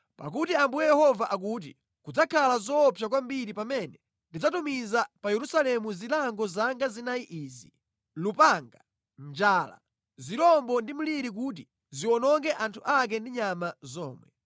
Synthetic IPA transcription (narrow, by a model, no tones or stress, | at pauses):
pa̰k̬utiambujɛjɛhɔvaʔak̬uːt̬ḭ | kud͡zakʰalazɔpʰjak̬wambiɾipamɛnɛ | ndid͡zatumizapajɛɾusalɛmuzilaŋɡɔzaŋɡazinajiʔiːzi | lupaŋɡa | nd͡ʒaːla̰ | ziɾɔmbɔndim̩liɾik̬uːt̬i | ziwɔnɔŋɡɛʔantʰuʔak̬ɛndiɲamazɔːmwɛ̰